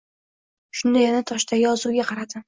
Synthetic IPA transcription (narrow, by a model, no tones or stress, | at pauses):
ʃʊnd̪ajanat̪ʰɒʃt̪ʰajjɒzuɡʲaqʰɑɾad̪ɪ